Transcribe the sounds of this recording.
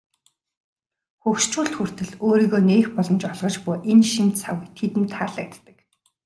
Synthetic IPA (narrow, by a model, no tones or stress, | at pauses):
xɵwʃt͡ɕuːɬt̪xur̥t̪ɘ̆ɮoːɾiːɣoːneːxpɔɮɞ̆mt͡ɕɔɮʁɞ̆t͡ɕpʊːʔenʃimt̪t͡sʰa̰wɘ̆jt̪ʰet̪ɘ̆nt̪ʰaːɮæk̚t̪ːə̥̆k